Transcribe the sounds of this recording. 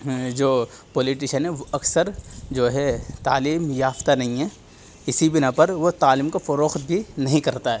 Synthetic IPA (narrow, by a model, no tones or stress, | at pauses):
d͡ʒoː | pɔːlɪʈɪʃənɦɛ̃ʋoɐksəɾd͡ʒoːɦɛt̪aːliːmjaːft̪anɐɦĩɦɛ | ɪsibɪnapɐɾʋot̪aːliːmkafɐɾoːxt̪̚bʱinɐɦĩkɐɾt̪aɦɛː